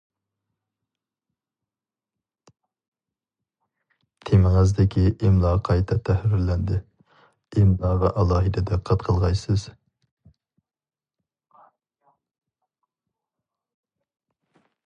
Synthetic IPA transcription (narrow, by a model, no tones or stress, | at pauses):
t̪ʰemɪŋɪzd̪ɪkʲʰiʔɪmlˠɑqʰɑjt̪ʰɛt̪ʰːæhɾɪɾlɛnd̪ɪ | ɪmlˠɑvɛʔɑlˠɑːɦɨd̪ɛd̪ɛqʰɑt̪qʰəlˠʁɑjsɨz̥